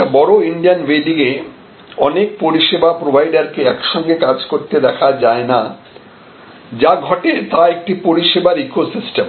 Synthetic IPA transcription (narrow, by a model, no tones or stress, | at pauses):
bɔɾoiɳɖijanbeɖiŋe | ɔnek̚poɾiʃebapɾobʱajɖaɾkeɛkʃɔŋɡekad͡ʑkoɾt̪ed̪ɛkʰad͡ʑaena | d͡ʑaɡʱɔʈet̪aek̚ʈipoɾiʃebaɾikosisʈem